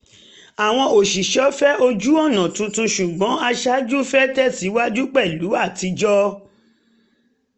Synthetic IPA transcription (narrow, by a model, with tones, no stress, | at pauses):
a˨w̃ɔ̃˧o˨ʃi˨ʃɔ˨˦fɛ˦o˧d͡ʒu˦ɔ˦˨nã˨tũ˧tũ˧ʃu˨ɡ͡bɔ̃˨˦a˧ʃa˦d͡ʒu˦fɛ˦tɛ˦˨si˨˦wa˦d͡ʒu˦k͡pɛ˦˨lu˨˦a˦˨ti˨˧d͡ʒɔ˦